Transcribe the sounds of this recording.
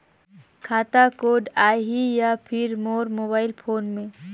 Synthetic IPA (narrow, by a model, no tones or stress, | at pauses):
kʰaːt̪akoːɖaːɦijapʰɪɾmoːɾmoːbaːɪlpʰoːnmẽ